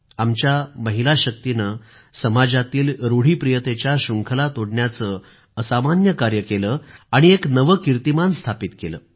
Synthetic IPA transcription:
amt͡ɕjaməɦilaɕək̚t̪inə | səmad͡zat̪iːlɾoɽ̤iːpɾijət̪et͡ɕjaɕuŋkʰəlat̪oɽɳjat͡səː | əsamanjəkaɾjəkeləːaɽ̃ieknəʋəkiɾt̪imanst̪ʰapit̪kelə̰ː

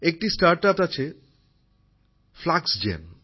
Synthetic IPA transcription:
ek̚ʈisʈaɾʈat̪at͡ɕʰe | flaksd͡ʑḛn

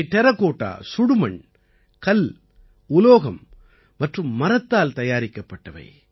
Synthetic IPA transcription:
t̪ɛɾɐkːoːʈːa̰ːsʊɽʊmɐɳ | kɐl | ʊloːɣɐm | mɐʈrɯmːɐɾɐt̪ːaːlt̪ɐjaːɾɪkːɐpːɐʈːɐʋɐ̰ɪ

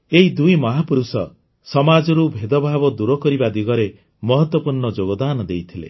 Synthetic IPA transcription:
eɦid̪ujmɔɦapuɾusɔ | sɔmad͡ʒɔɾubʱed̪ɔbʱabɔd̪uɾɔkɔɾibad̪iɡɔɾe | mɔɦɔt̪wɔpuɾɳɔd͡ʒoɡɔd̪anɔd̪ejt̪ʰilḛ

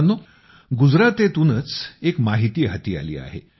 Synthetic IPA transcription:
nːo | ɡud͡zɾat̪et̪unət͡sekmaɦit̪iːɦat̪iːa̰lḭːa̰ɦḛ

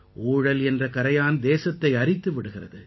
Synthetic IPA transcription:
ʔuːɻɐlɛndrɐkɐɾɐjaːnd̪eːsɐt̪ːɐɪɐrɪt̪ːɯʋɪɽɯɣɪrɐðɯ

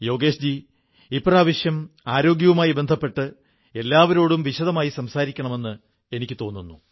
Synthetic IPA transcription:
jo̞ːɡe̞ːɕd͡ʑi | ipːraːʋɐɕjɐmaːɾo̞ːɡjɐʋumaːjibe̞nd̪ʱɐpːe̞ʈːɨ | e̞lːaːʋɐɾo̞ːɽumʋiɕɐðɐmaːjisɐmsaːɾikʲːɐɳɐme̞nːɨ | e̞nikʲːɨt̪o̞ːnːunːu

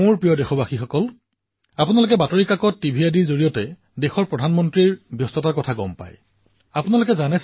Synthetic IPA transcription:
uɹpɹijɔdɛxɔbaxixɔkɔl | apunalʊk̬ɛbatɔɹikakɔtːibʱijadizoɹijɔtɛ | dexɔɹpɹɔdʱanmɔntɹiɹbʱjɔstɔtaɹkɔtʰaɡɔ̰mpa̰j | apunalʊkɛzanɛ

